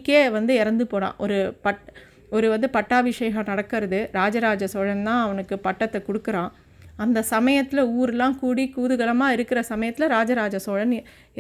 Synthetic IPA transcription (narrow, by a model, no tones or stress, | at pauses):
kːeːʋɐnd̪ɯɛɾɐnd̪ɯpoːɽã̰ːʔɔɾɯpɐʈ | ɔɾɯʋɐnd̪ɯpɐʈːaːʋɪʂɐjɐɣɐnɐɽɐkːɯɾɐðɯɾaːd͡ʒɐɾaːd͡ʒɐsoːɻɐnt̪ãːɐʋɐnɯkːɯpɐʈːɐt̪ːɛkɔɽɯkːɯɾãː | ɐnd̪ɐsɐmɐjɐt̪ːɪlɐuːɾɛlːãːkuːɽikuːðɯɣɐɭɐmaːɪɾɯkːɪɾɐsɐmɐjɐt̪ːɪlɐɾaːd͡ʒaɾaːd͡ʒɐsoːɻɐn